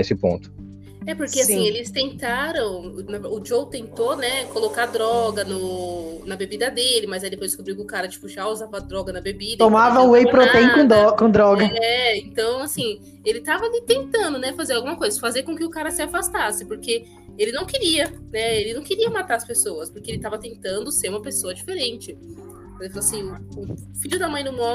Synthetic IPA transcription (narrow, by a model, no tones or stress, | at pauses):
esɪpõ̰nt̪ʊ̥ | ɛpoɾkeasĩelɪst̪ẽnt̪aɾɐ̃w̃nɐvʊd͡ʒowt̪ẽnt̪onɛkolokad̪ɾɔɡɐnʊnɐbebid̪ɐd̪elɪmɐzajd̪epojzd̪ɪskubɾiwkɪʊkaɾɐt͡ʃi̥pʊʒauzavɐd̪ɾɔɡɐnɐbebid̪ɐt̪omavɐʊejpɾot̪ẽj̃kõd̪ɔkõd̪ɾɔɡɐɛẽnt̪ɐ̃w̃asĩ | elɪt̪avɐlit̪ẽnt̪ɐ̃nd̪ʊnɛfazeɾawɡũmɐkojzɐfazeɾkõkɪʊkaɾɐsɪafast̪asɪpoɾke | elɪnɐ̃w̃kɪɾiɐnɛelɪnɐ̃w̃keɾiɐmat̪aɾɐspesoɐspoɾkeelɪt̪avɐt̪ẽnt̪ɐ̃nd̪ʊseɾũmɐpesoɐd͡ʒifeɾẽnt͡ʃɪ̃ | eɪfaloasĩʊfiʎʊd̪amɐ̃j̃nʊ̃mõ